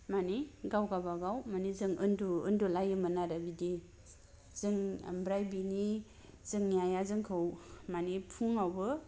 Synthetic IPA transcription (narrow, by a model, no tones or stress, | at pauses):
maniɡawɡabaɡawmanizɯŋɯnduɯndulajɯmɯnaɾabidi | zɯŋbɾajbini | z̥ɯŋjajazɯŋkʰɯwmanipʰuŋawbɯ